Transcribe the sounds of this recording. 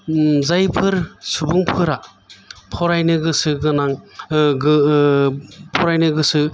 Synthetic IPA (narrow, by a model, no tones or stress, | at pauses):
zajpʰɯɾsubuŋpʰɯɾa | pʰɔɾajnɯɡɯsɯɡɯnaŋɡɯ | pʰɔɾajnɯɡɯsɯ